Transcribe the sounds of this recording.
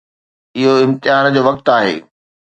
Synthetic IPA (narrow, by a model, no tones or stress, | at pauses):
ɪɦoɪ̃mt̪ɪɦaːnd͡ʑoːʋɐk̚t̪aːɦḛː